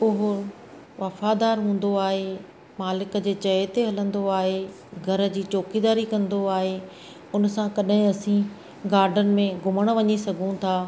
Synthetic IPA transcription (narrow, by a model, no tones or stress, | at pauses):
ʊɦʊ | ʋɐfad̪aːɾɦũːn̆d̪oaːɦe | maːlɪkə̆d͡ʑeːt͡ɕɐt̪eɦɐlə̃nd̪oaːɦe | ɡʱɐɾə̆d͡ʑiːt͡ɕoːkid̪aːɾikɐ̃nd̪oaːɦeː | ʊnsãkɐɗɦɪ̃ɐsĩ | ɡaːɾɖənɪ̆mẽɡʱʊməɽ̃̆ʋɐɲisɐɡʱũt̪ʰaː